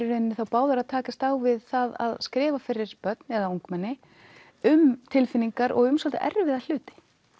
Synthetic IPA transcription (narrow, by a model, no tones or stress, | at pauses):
ʏɾɪnːɪθawpaːwðaɾaðt̪ʰaːkast̪aːwvɪðθaða̰ðskɾɪːvafɪɾːɪɾ̥pœt̪nɛðaoŋkmɛnːɪ | ʏmt̪ʰɪlfɪnːiŋkaɾʔɔ̰ɣʏmsɔlt̪a̰ʔɛ̰ɾvɪðal̥ʏːt̪ɪ̥